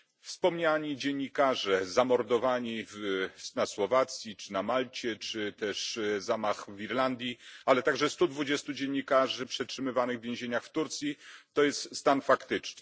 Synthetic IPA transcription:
fspɔmɲaɲid͡ʑeɲːikaʐɛzamɔɾd̪ɔvaɲivnaswɔvat̪sʲjit͡ʂɘnamalt͡ɕɛt͡ʂɘt̪ɛʂzamaxviɾland̪ʲjialɛt̪aɡʐɛst̪ud̪vud͡ʑest̪ud͡ʑeɲːikaʐɘpʂɛtʂɘmɘvanɘɣvʲjẽw̃ʑeɲaxft̪uɾt̪sʲjit̪ɔjɛst̪st̪anfakt̪ɘt͡ʂnɘ̥

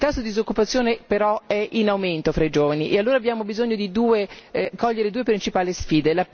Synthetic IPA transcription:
lt̪asːod̪id̪izokːupat̪sːjoːnepeɾɔɛʔinawment̪ofɾaid͡ʒoːvaniʔealːoːɾaːbːjaːmobizoɲːod̪id̪uːekɔʎːeɾed̪uːepɾint͡ʃipaːlisfiːd̪ela

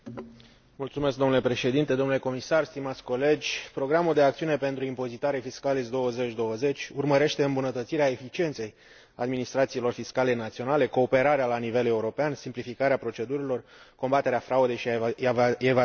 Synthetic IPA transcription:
mult̪sume̞sk̚d̪omnule̞pɾe̞ʃe̞d̪int̪e̞d̪o̞mnuleko̞misarst̪imat̪sʲko̞le̞d͡ʒʲpɾo̞ɡɾamuld̪e̞ak̚t̪siunepe̞nt̪ɾuimpo̞zit̪aɾefiskalisd̪o̞wəze̞t͡ʃʲd̪o̞wəze̞t͡ʃʲurməɾe̞ʃt̪e̞ɨmbunət̪ət̪siɾeae̞fit͡ʃie̞nt̪se̞j | ad̪minist̪ɾat̪siːlo̞rfiskale̞nat̪sio̞nale̞ko̞ːpe̞ɾaɾealanive̞le̞uɾo̞peansimplifikaɾeapɾo̞t͡ʃe̞d̪uɾilo̞rko̞mbat̪e̞ɾeafɾaud̪e̞jʃi | ev

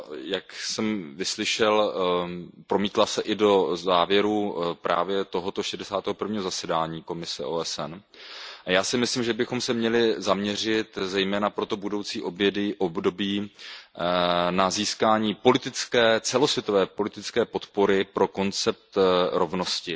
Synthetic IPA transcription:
jaksɛmvɪslɪʃɛl | pɾo̞miːt̪lasɛʔɪdo̞zaːvjɛɾupɾʔa̰ːvjɛt̪o̞ɦot̪o̞ʃɛdɛsaːt̪ɛːɦopr̩vɲiːɦo̞zasɛdaːɲiːko̞mɪsɛʔoːɛsɛn | ajaːsɪmɪslimʒɛbɪxo̞msɛmɲɛlɪzamɲɛr̝ɪt̪zɛjmɛːnapɾo̞t̪o̞budo̞wt͡siːʔo̞bjɛdɪʔobdo̞biː | naziːskaːɲiːpo̞lɪt̪ɪt͡skɛːt͡sɛlo̞svjɛt̪o̞vɛːpo̞lɪt̪ɪt͡skɛːpo̞t̪po̞ɾɪpɾo̞ko̞nt͡sɛp̚t̪ɾo̞vno̞scɪ

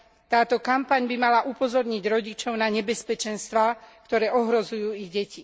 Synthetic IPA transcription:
t̪aːt̪ɔkampaɲbimalaʔupɔzɔɾɲiɟɾɔɟit͡ʃɔʊnaɲɛbɛspɛt͡ʃɛnst̪ʋakt̪ɔɾɛːʔɔɦɾɔzujuːiɣɟɛci

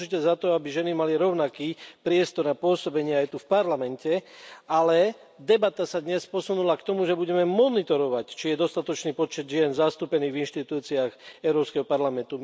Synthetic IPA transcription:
ʒicɛzat̪ɔabiʒɛnimaliɾɔʊnakiːpɾɪɛst̪ɔɾnapʊɔsɔbɛɲɪɛajt̪ufpaɾlamɛncɛalɛ | d̪ɛbat̪asad̪ɲɛspɔsunulakt̪ɔmuʒɛbuɟɛmɛmɔnit̪ɔɾɔʋact͡ʃijɛd̪ɔst̪at̪ɔt͡ʃniːpɔt͡ʃɛd̪ʒɪɛnzast̪uːpɛniːɣvinʃt̪it̪uːt͡siaɣɛʊɾɔːpskɛɦɔpaɾlamɛnt̪u

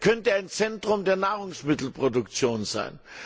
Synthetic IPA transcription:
kʰœntəaɪnt͡sɛntʁ̥ʊmdeːɐnaːʁʊŋsmɪtl̩pʁ̥odʊkt͡sjoːnza̰ɪn

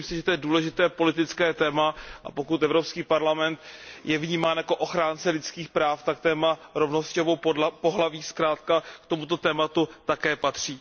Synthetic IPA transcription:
iːmsɪʒɛt̪ojɛduːlɛʒɪt̪ɛːpo̞lɪt̪ɪt͡skɛːt̪ɛːmaʔa̰po̞kut̪ɛvɾo̞pskiːpaɾlamɛnt̪jɛvɲiːmaːnjako̞ʔo̞xɾaːnt͡sɛlɪt͡skiːxpɾaːft̪akt̪ɛːmaɾo̞vnoscovowpo̞ɦlaviːskɾaːt̪kakt̪o̞mut̪o̞t̪ɛːmat̪ut̪akɛːpat̪r̝̥iː

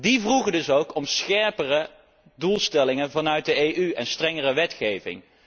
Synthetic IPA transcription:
divruχədɵsowkɔmsχɛɹpərə | dulˠstɛlɪŋənvɑnœɥt̚dəejʔyɛnstrɛŋərəʋɛtχejvɪ̰ŋ

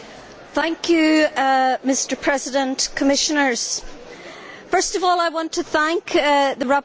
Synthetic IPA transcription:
θæ̃ŋkʰjɨ | mɪstə˞pʰɹ̥ɛzɪdə̃ntkʰəmɪʃənə˞z̥ | fɜ˞stʌvɔlˠaɪwɑ̃ntʰəθæ̃ŋkðəɹa

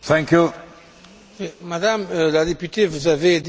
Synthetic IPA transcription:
θɛ̃ŋkju | wemad̪amlad̪epyt̪evuzaved̪

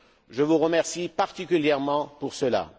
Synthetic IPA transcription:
ʒəvuʁəmɛʁsipaʁt̪ikʲyljɛʁmɑ̃puʁsəla̰

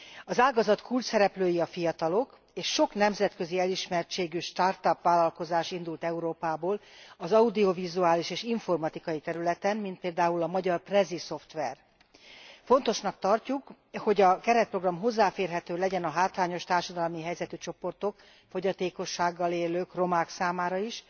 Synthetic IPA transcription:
ɒzaːlɡɒzɒt̪kʰult͡ʃsɛɾɛpløːjiɒfijɒt̪ɒlo̞k | eːʃːo̞knɛmzɛt̪kø̞ziɛliʃmɛrt͡ʃeːɡyʃt̪art̪ɒpʋaːlɒlko̞zaːʃind̪ult̪ɛuɾoːpaːboːlɒzɒud̪io̞vizuaːliʃeːʃiɱfo̞rmɒt̪ikɒjit̪ɛɾylɛt̪ɛnmint̪̚peːld̪aːulɒmɒɟɒrprɛziso̞ft̪ʋɛr | fo̞n̪t̪o̞ʃnɒk̚t̪ɒrcuk | ho̞ɟɒkɛɾɛt̪̚pro̞ɡrɒmɦo̞zːaːfeːrɦɛt̪øːlɛɟɛnɒɦaːt̪ʋaːɲo̞ʃt̪aːrʃɒd̪ɒlmiɦɛjzɛt̪yt͡ʃo̞po̞rt̪o̞k | fo̞ɟɒt̪eːko̞ʃːaːɡːɒleːløːkro̞maːksaːmaːɾɒiʃ

